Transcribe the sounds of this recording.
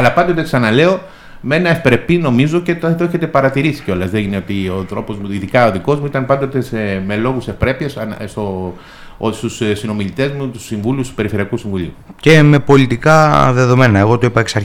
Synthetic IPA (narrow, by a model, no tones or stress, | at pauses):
ɐlɐpɐnd̪ot̪eksɐnɐle̞o̞ | me̞nɐefpɾe̞pino̞mizo̞cet̪t̪oeçe̞t̪e̞pɐɾɐt̪iɾisi̥ceo̞lɐzðeʝineot̪io̞t̪ɾo̞po̞zmuiðikɐo̞ðiko̞zmuit̪ɐnpɐnd̪o̞t̪eseme̞lo̞ɣuse̞fpɾe̞piɐsnst̪o | st̪ussino̞miʎit̪e̞zmut̪u̥siɱvulust̪u̥pe̞ɾifeiɐkusiɱvuʎḭuce̞mepo̞lit̪ikɐðe̞ðo̞me̞nɐe̞ɣo̞t̪oipɐeksɐɾ